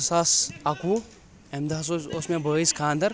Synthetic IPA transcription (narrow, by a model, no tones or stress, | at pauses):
saːsaku | emd̪aːs̬oosmebəːiskʰaːnd̪ɐɾ